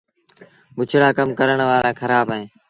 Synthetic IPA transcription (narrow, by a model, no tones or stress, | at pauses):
ɓʊt͡ʃʰɽaːkəmkəɾəɳʋaːɾʔaːkʰəɾaːbɦẽː